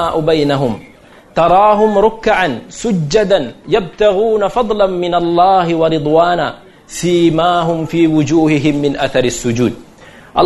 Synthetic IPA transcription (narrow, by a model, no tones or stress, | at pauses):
aːʔʊbajnaɦʊm | t̪ɑɾˤɑːɦʊmɾʊkːʕansʊd͡ʒːad̪anjab̚t̪aɣuːnafɑd̪ˤlanmɪnalˤːɑːɦɪwɑɾɨd̪ˤwaːnaː | siːmaːɦʊmfiːwʊd͡ʒuːhɪɦɪmːɪnʔaθɑɾˤɪsːʊd͡ʒuːd̪̚ | ʔɑ̰l